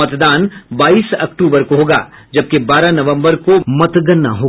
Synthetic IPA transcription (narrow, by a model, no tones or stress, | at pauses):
ɐt̪d̪aːnbaːiːsɐkʈuːbəɾkoɦoːɡa̰ːd͡ʒɐb̚kebaːɾanɐʋə̃mbəɾkomɐt̪ɡənːa̰ɦoː